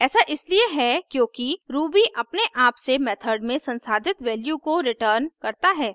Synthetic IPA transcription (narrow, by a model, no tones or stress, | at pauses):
ɛːsaʔɪslieɦɛkjõːkiɾuːbiʔɐpneʔaːpsemɛːt̪ʰəɾɖmẽsɐ̃nsaːd̪ʱɪt̪ʋɛːljukoɾɪʈəːɾnkɐɾt̪aɦɛː